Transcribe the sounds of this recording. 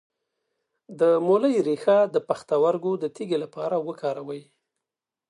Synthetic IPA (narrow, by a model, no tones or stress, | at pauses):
d̪əmoləjɾexad̪əpaxt̪awaɾɡod̪ət̪iɡelapɑɾawəkʰɑɾawəj